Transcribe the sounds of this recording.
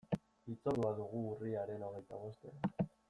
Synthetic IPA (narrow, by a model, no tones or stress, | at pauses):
it͡so̞ðuaðuɣ̞uːriaɾe̞no̞ɣ̞e̞jt̪aβ̞o̞st̪eɾa